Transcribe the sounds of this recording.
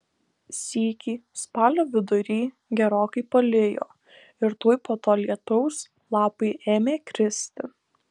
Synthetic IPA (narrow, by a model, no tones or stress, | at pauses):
sʲiːkʲiːspɑːlʲoːʋʲɪd̪ʊɾʲiː | ɡʲɛɾoːkɐɪpɐlʲɪjo̰ː | ɪɾt̪uɔːjpoːt̪oːlʲiɛt̪ʊʊs | lˠɑːpɐɪʔeːmʲeːkɾʲɪsʲt̪ʲɪ